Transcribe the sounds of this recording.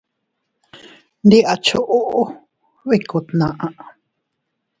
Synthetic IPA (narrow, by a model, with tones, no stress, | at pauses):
nd̪i˦ʔa˨t͡ʃʰu˦ʔu˦ʔu˦ | βi˦˧ku˨t̪nã˨ʔã˧ʔ